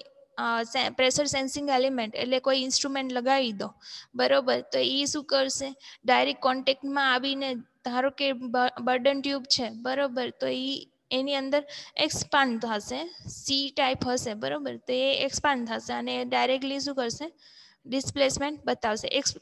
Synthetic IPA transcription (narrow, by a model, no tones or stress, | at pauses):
sepɾeʃəɾsẽnsɪ̃ŋɡelimẽɳʈḛʈlekoiɪnsʈɾumẽɳʈləɡaʋid̪obəɾobəɾt̪oiiʃũkəɾseɖajɾekːɔɳʈek̚ʈmãaʋined̪ʱaɾõkebəɾɖənʈjubt͡ʃʰebəɾobəɾt̪oi | eniə̃nd̪əɾekspãnt̪ʰasesiʈaipɦəsebəɾobəɾt̪oeekspãnt̪ʰaseəneɖajɾek̚ʈliʃ̬ũkəɾse | ɖɪsplesmẽɳʈ̚bət̪aʋsḛʔeks